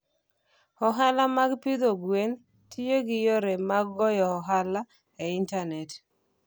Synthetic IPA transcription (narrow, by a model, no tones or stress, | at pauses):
ɔɦalamaɡpid̪oɡwen | tʰijoɡɪjoɾemaɡːɔjɔɔɦala | eɪntanɛt